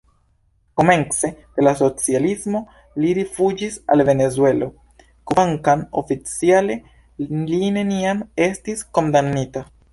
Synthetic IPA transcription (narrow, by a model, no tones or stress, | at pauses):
ko̞me̞nt͡se̞d̪̥e̞laso̞t͡sializmo̞ | liɾifud͡ʒisa̰lve̞ne̞zue̞lo̞ | koaŋkano̞̰fit͡siale̞ | line̞niame̞stisko̞ndamnita